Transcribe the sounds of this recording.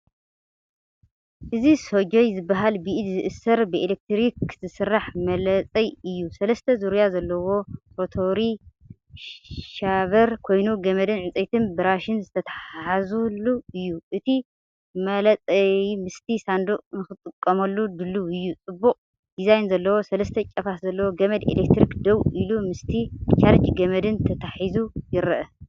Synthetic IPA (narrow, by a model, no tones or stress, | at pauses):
ʔɨzisod͡ʒojzɨbːaɦalbiʔd̪zɨʔɨsɐɾbɨelek̚t̪ɾikzɨsɨrːaħmɐlɐt͡sʼɐjɨjːusɐlɐst̪ʰɐzuɾjazɐlːɐwo̞fot̪ʰoɾi | ʃaβɐɾkʰo̞jnuɡɐmɐd̪ɨnʕɨt͡sʼɐjt̪ʰɨnbɨɾaʃɪnzɨt̪ʰɐt̪ʰaħħazulːuɨjːuʔɨt̪ʰi | mɐlɐt͡sʼɐjmɨst̪ʰisand̪uʔnɨxɨt̪ʼɨkʼːɐmɐlːud̪ɨlːuɨjːut͡sʼɨbːuqʼ | d̪̥izajnzɐlːɐwo̞sɐlɐst̪ʰɐt͡ʃʼɐfaszɐlːɐwoɡɐmɐd̪ḛlek̚t̪ɾikd̪ɐwʔilumɨst̪ʰit͡ʃʰʼaɾt͡ʃɡɐmɐd̪ɨnt̪ʰɐt̪ʰaħizujɪɾɐʔɐ